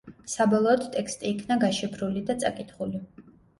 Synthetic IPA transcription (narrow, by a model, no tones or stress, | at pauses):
sabɔlˠɔːd̪t̪ʼɛkst̪ʼiːkʰnaɡaʃipʰɾulid̪at̪sʼakʼit̪ʰχuli